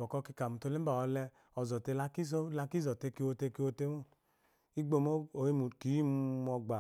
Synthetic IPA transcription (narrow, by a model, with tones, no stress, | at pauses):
ɔ˨kɔ˧ki˧ka˨mu˨to˧le˦m̩˦ba˨ɔ˧lɛ˧ | ɔ˨zɔ˨te˧la˧ki˦s̬o˦la˧ki˦zɔ˨te˧ki˧˦o˧te˧ki˧˦o˧te˧˦mu˦ | i˦ɡ͡bo˧˨mo˦o˨i˦mu˨ki˨˦mmɔ˧ɡ͡ba˨